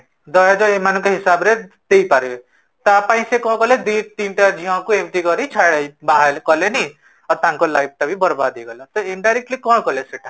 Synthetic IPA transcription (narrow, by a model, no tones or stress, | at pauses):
d̪ɔjad͡ʒoemanũkeɦɪsabɾe | d̪̥eipaɾebe | t̪apãĩsekɔ̃kɔled̪it̪inʈad͡ʒʱiɦãkuẽmt̪ikɔɾit͡ʃʰaɽaibaɦalkɔleni | ɔɾt̪ãŋkolajp̚t̪abʱibɔɾbad̪eɡɔlɔ̃t̪ɔɪɳɖajɾek̚ʈlikɔ̃ɽkɔleseʈa